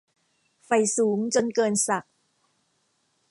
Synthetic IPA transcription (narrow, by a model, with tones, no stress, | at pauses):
fa˨˩jsuː˩˦ŋt͡ɕo˧nkɤː˧nsa˨˩k̚